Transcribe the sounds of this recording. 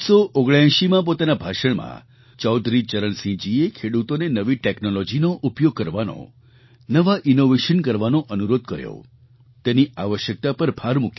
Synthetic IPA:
soʔoɡɭãʃimãp̬ot̪anabʱaʃəɳmã̰ | t͡ʃɔwd̪ʱɾit͡ʃəɾəɳsĩd͡ʒiekʰeɽut̪onenəʋiʈeknolɔd͡ʒinoʔupjoɡ̚kəɾʋano̰ | nəʋaʔɪnoʋeʃənkəɾʋanoʔənuɾod̪̚kəɾjo̰ | t̪eniʔaʋəʃjək̚t̪apəɾbʱaɾmuk

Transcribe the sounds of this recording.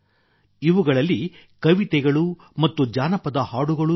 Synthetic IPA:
iʋuɡɐɭɐlːi | kɐʋit̪ɛɡɐɭu | mɐt̪ːud͡ʒaːnɐpɐd̪ɐhaːɽuɡɐɭu

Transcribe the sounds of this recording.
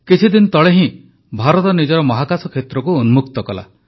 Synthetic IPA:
kit͡ʃʰid̪inɔt̪ɔɭeɦĩ | bʱaɾɔt̪ɔnid͡ʒɔɾɔmɔɦakasɔkʰet̪ɾɔkuunmukt̪ɔkɔla̰

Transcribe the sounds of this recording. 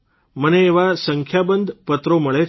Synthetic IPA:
məneːʋasəŋkʰjabənd̪ʱpət̪ɾoməɭe

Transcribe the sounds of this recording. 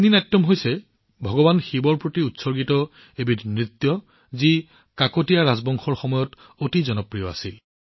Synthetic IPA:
ninatːɔmɦojsɛ | bʱɔɡɔbanxibɔɹpɹotiutsɔɹɡitɔ | ebidnɹit̪ːjɔ | zi | kakotijaɹazbɔŋxɔɹxɔmɔjɔt | otizɔnɔpɹijɔa̰si

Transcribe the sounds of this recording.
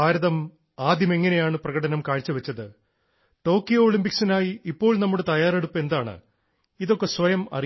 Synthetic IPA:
aːɾɐðɐm | aːd̪ʱjɐme̞ŋːɐne̞jaːɳɨprɐɣɐɽɐnɐmkaːɻit͡ɕːɨʋɐt͡ɕːɐðɨ | ʈo̞ːkːijoːɭimpiksinaːjiipːo̞ːɭnɐmːuɽet̪ɐjaːre̞ɽupːɨe̞nd̪aːɳɨ̰ | iðo̞kːe̞sʋɐjɐmɐ̰ri

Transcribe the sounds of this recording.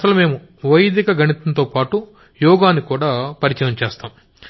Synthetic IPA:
ɐsɐlume̞ːmu | ʋɐjd̪ikɐɡɐɳit̪ɐnt̪oːpaːʈu | jɔːɡaːnːikuːɽaːpɐɾit͡ʃɐjɐmt͡ʃeːst̪aːm

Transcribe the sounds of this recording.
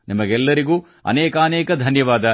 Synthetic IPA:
nimɐɡɛlːɐɾiɡuː | ɐ̰nɛːkɐːnɛːkɐd̪ʱɐnjɐʋaːd̪ɐ

